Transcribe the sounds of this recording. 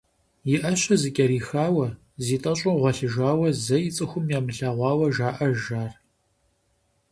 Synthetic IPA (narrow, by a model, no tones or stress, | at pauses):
jɪʔɐɕɐzɨkʲʼɐɾiːxaːwɐ | ziːtʼɐɕʼʊʁʷɐɬɨʒaːwɐzɐjɪt͡sʼɨxʷʊmjaːmɨɬaʁʷɑːwɐʒaːʔɐʒaːr